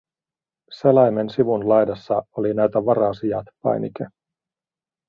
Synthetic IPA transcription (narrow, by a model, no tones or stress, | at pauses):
selɑjmensiʋunlɑjdɑsːɑolinæjt̪æʋɑɾɑːsijɑt̪pɑ̰jnḭke